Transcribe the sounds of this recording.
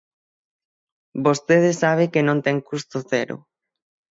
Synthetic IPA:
bost̪eð̞ɪsaβ̞ekenõnt̪ɛŋkust̪ʊθɛɾʊ̰

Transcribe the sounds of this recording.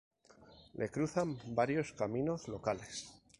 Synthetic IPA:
lʔe̞kɾuθambaɾjo̞skamĩno̞zlo̞kale̞s

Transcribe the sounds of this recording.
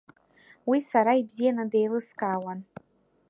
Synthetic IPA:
wisaɾaibzijanɨdejlɨskʼaːwan

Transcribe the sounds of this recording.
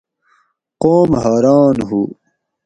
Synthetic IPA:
qoːmɦaːɾɑːnɦu

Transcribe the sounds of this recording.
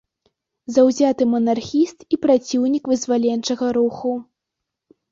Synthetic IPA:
zɐwzʲat̪ɨmɐnarxʲist̪ipɾat͡sʲiwnʲikvɨzvalʲɛnt͡ʂɐɣɐɾuxu

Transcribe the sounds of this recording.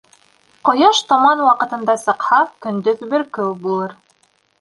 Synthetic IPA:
qŏjɑʃt̪omɑnwɑqɤ̆t̪ɤ̆nd̪ɑsɤ̆qhɑkɵ̆nd̪ɵðbɘɾkɵwbulˠɤɾ

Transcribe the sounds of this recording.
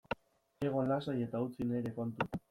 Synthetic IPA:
e̞ɣ̞o̞nlasaje̞t̪aut͡sineɾe̞kont̪u

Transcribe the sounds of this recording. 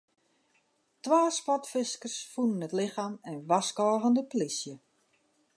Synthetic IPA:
tʋaːspɔtfɪskərsfunənətlɪxaːmɛnʋaskɔːɣəndəplisjə

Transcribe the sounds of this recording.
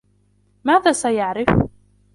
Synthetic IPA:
mæðæsæjəʕɾˤəf

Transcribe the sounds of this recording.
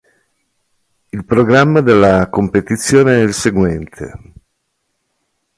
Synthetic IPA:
ilpɾoɡɾamːad̪elːakompet̪it̪sːjoːneɛilseɡwɛnt̪ʰḛ

